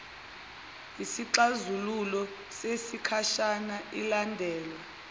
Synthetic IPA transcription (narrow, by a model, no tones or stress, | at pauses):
ɦisiǁazululɔ | sesikʰaʃanailandʱɛːlwa